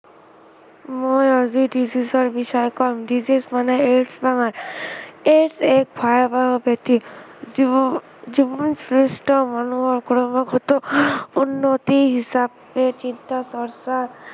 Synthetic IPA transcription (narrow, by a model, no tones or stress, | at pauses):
mojɔziɖizisɔɾbiʃɔjekɔɾmɖizismaneeʈsbaŋaɾ | eʈsek̚bʱɔjabaɦɔbet̪i | zibɔnsɾesʈɔmɔnuɦɔɾkuɾobɔɡɦot̪ounːot̪iɦisab | et͡ʃint̪asɔɾsa